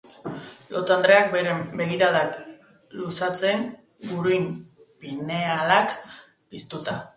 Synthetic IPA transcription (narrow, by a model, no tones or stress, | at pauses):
lʔot̪and̪ɾe̞ak̚beɾembe̞ɣiɾaðak | lusat͡se̞ŋ | ɡuɾujm | pine̞alak | pist̪ut̪a